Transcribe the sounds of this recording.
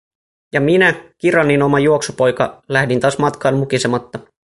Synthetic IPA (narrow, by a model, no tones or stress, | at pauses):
jɑminækirɑnːino̞mɑjuo̞ksupo̞jkɑ̰læhdint̪ɑːsmɑt̪kɑːnmukisemɑt̪ːɑ